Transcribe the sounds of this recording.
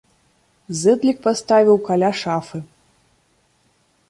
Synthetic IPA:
zɨd̪lʲik̚past̪avʲiwkalʲaʂafɨ

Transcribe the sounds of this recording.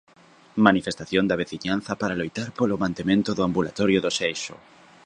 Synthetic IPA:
manifest̪aθjond̪ɐβ̞eθiɲanθɐpaɾalojt̪aɾpolʊmãnt̪emẽnt̪ʊðʊambulat̪ɔɾjʊðʊsejʃʊ̰

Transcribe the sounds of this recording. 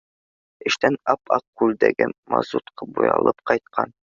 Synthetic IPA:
ɘ̆ʃt̪ænɑpɑqːʉld̪æɡɘmɑ̰zut̪qʰɤbujɑlˠɤpqɑjt̪̚qʰɑn

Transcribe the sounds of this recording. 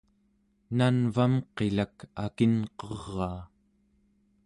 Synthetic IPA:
nanvamqe̞lakakinqʌʁːɑː

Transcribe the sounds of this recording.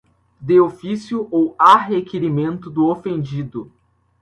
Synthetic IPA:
d̪eofisjʊʔowaɦekeɾimẽnt̪ʊd̪ʊofẽnd͡ʒid̪ʊ

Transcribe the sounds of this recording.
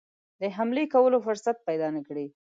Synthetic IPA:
d̪əɦamlekawəlofʊɾsat̪̚pajd̪ɑnakɽi

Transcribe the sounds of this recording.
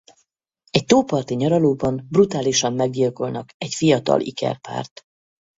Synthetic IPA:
ɛc̚t̪oːpɒrt̪iɲɒɾɒloːbɒmbrut̪aːliʃɒmːɛɡɟilkolnɒkɛcfijɒt̪ɒ̰lʔḭkɛ̰rpa̰ːrt̪

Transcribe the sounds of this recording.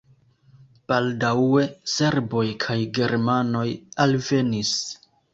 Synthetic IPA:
b̥aldawe̞se̞ɾbo̞jkʰajɡe̞ɾmano̞jalve̞nis

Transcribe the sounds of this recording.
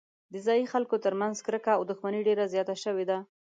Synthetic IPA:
d̪əzɑjixalkot̪əɾmanzkɾəkaːwd̪ʊxmaniɖeɾazjɑt̪aʃəwed̪a

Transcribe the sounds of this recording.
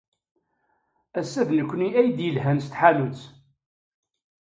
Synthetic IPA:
æsːæðnəkʷːniæjd̪jəlɦænst̪ħalut͡s

